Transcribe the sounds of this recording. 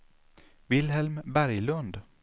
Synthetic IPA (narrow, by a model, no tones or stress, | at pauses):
vɪlɦɛlmbæɾjlɵnd̪